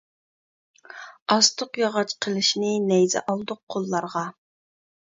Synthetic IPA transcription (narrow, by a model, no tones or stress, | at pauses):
ɑst̪ʰʊqjɑʁɑt͡ʃqʰəlˠɨʃnɪnɛjzɛ̰ʔɑlˠd̪ʊqʰːolˠːɑɾʁɑ